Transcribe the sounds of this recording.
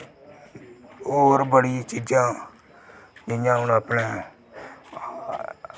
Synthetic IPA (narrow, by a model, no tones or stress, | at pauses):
oːɾbəɽit͡ʃiːd͡ʒãː | d͡ʒɪjãːɦʊnəpnɛ̃ː